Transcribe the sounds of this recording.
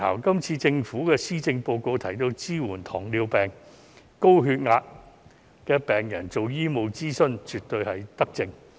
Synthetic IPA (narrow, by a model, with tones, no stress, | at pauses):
a̰ː˨˩wkɐ˥mt͡sʰiː˧t͡sɪ˧ŋfuː˨˥kɛː˧siː˥t͡sɪ˧ŋpo˧wko˧wt̪ʰɐ˨˩jt̪o˧wt͡siː˥wuː˨˩nt̪ʰɔː˨˩ŋliː˧wpɛː˨ŋ | ko˥wɦyː˧t̚ŋaː˧t̚ | kɛː˧pɛː˨˩ŋjɐ˨˩nt͡so˨wjiː˥mo˨˧wt͡siː˥sɵ˥nt͡ʃyː˨t̚t̪ɵ˧ɥhɐ˨jt̪ɐ˥k̚t͡sɪ˧ŋ